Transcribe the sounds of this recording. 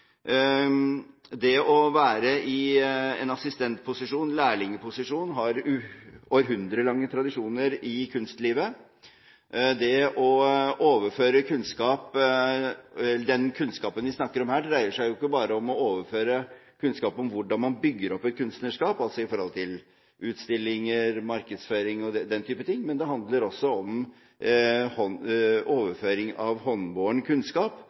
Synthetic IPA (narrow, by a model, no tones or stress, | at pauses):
d̪ɛɔʋæːɾəʔɪɛ̰nɑsɪst̪ɛnt̪̚pʰʊsɪʂuːnlæːɭɪŋːəpʰʊsɪʂuːnɦɑɾʉoːəɾɦʉnd̪ɾəlɑŋːət̪ʰɾɑd̪ɪʂuːnəɾɪkʰʉnst̪liːʋə | d̪ɛʔɔʔoːʋəføːɾəkʰʉnskɑːp | ɛəɖ̪ɛnkʰʉnskɑːpənʋɪsnɑkːəɾɔmhæːɖɾæɪəʂæɪjʊɪkːəbɑːɾəɔmɔoːʋəføːɾəkʰʉnskɑːpɔmʋʊɖɑnmɑnbʏɡːəɾɔpːɛt̪̚kʰʉnst̪nəʂkɑːpɑlsɔɪfɔɾhɔlt̪ʰɪl | ʉːt̪st̪ɪlːɪŋəɾmɑɾkəd̪sføːɾɪŋɔd̪ɛd̪ɛnt̪ʰyːpət̪ʰɪŋːmɛnd̪ɛɦɑnd̪ləɾɔsːɔɔm | hɔoːʋəɾføːɾɪŋɑʋhɔnboːəɳkʰʉnskɑːp